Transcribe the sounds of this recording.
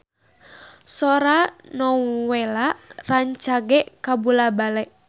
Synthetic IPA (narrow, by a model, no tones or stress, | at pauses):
sɔɾanɔwɛlaʔraɲt͡ʃaɡɛʔkabulabalɛʔ